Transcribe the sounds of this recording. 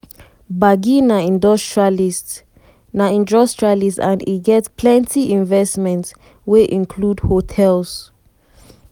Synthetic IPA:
baɡinaĩndɔstɹialis | naĩndɔstɹalisãniɡɛtspʰlɛ̃ntiĩnvɛsmɛ̃nts | weʔĩnkʰludhotʰɛls

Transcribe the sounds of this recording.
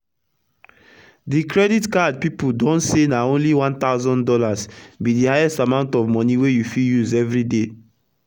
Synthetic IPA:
dikɹɛditkad̚pipudɔ̃ntsenaõnliwãnt̪aʊzɔ̃ndɔlasbidihajɛstamãʊ̃ntɔvmɔ̃niwejufiljuzɛvɹide

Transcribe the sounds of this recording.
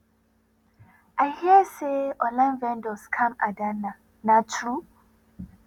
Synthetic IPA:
ʔajhiəseʔɔlãnvɛ̃ndɔskʰãma̰dana | natʰɹu

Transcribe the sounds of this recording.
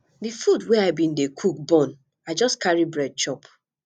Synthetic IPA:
difudwɛaɪbĩndekʰuk̚bɔ̃n | aɪd͡ʒɔskaɹibɹɛd̚t͡ʃɔp

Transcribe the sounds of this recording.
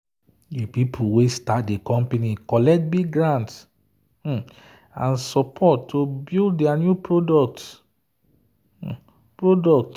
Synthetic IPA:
depipʰuwestatdekɔ̃mpenikɔlɛkt̚biɡɡɹãnt̩ | ãnsɔpʰɔtʰːobilddɛanjupɹodɔk̚t | pɹodɔk̚t

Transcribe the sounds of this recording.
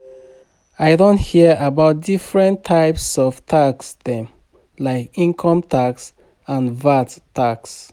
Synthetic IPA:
aɪdõnthiəabaʊt̚difɹɛ̃ntʰaɪpsɔv̥tʰaksdɛ̃m | laɪkĩŋkʰɔ̃mtʰaks | ãnvattaks

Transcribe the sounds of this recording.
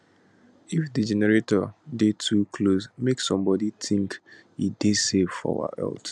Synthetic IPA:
ifdid͡ʒɛnɛɹetɔdetʰukʰlosmeksɔ̃mbɔdiθĩŋk | ḭdesevfɔ̰wa̰ɛ̰lt

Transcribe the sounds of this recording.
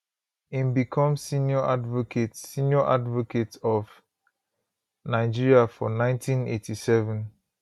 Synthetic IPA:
ĩmbikʰɔ̃msinjɔʔadvokʰetsĩnjɔʔa̰dvoketɔv | naɪd͡ʒiɹiafɔ̰nãɪ̃ntʰĩnḛtʰisɛvɛ̃n

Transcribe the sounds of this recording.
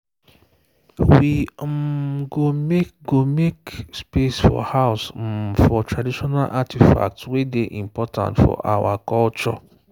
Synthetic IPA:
wim̩ɡomeɡomekspesfɔ̰haʊsm̩fɔtʰɹadiʃɔnalʔatʰifa̰k̚twedeʔimpɔtʰã̰ntfɔ̰ʔawakɔlt͡ʃɔ

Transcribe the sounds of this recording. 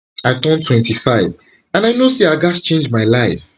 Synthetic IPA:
aɪtɔ̃ntʰwɛ̃ntifaɪv | ãnaɪnosiaɡast͡ʃẽnd͡ʒmaɪlaɪf

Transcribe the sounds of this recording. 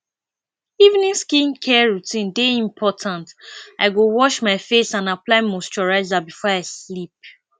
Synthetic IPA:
ivnĩnskĩnkʰɛɹutʰĩndeĩmpʰɔtʰãnta̰ɪɡowɔʃmaɪfesãnaplaɪmost͡ʃɔɹaɪzabifɔaɪslip̚

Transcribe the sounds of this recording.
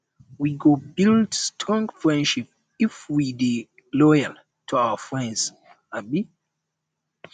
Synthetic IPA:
wiɡobildstʰɔ̃ŋɡfɹɛ̃ndʃip̚ | ifwidi | lɔjal | tʰuaəfɹɛ̃ndz̥ | abi

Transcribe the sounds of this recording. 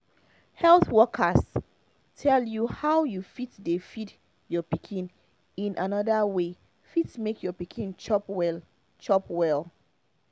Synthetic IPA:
hɛlˠθwɔkʰəs | tʰɛljuhawjufitdefid | jɔpikʰĩn | ĩnʔanɔdəwe | fitsmekʰjɔpikʰĩnt͡ʃɔpwɛl | t͡ʃɔpwɛlˠ

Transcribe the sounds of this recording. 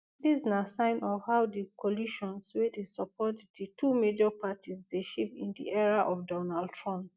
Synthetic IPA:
disnasãɪ̃nɔvhaʊdikʰɔliʃɔ̃nswedesɔpʰɔtditʰumed͡ʒɔpatʰizdeʃipḭ̃ndḭʔɛɹaʔɔfdɔnald̚tʰɹɔ̃mp

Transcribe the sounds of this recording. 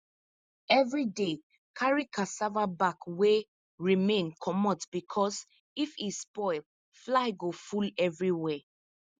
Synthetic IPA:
ɛvɹide | kʰaɹikʰasavabakwe | ɹimẽnkʰɔmɔ̃tb̥ikʰɔs | ifispɔɪl | flaɪɡofulɛvɹiwɛ

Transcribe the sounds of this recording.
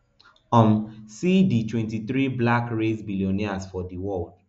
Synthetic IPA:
ɔ̃msiditwɛ̃ntiθɹiblakɹezbiliɔniasfɔdiwɔld̥̚

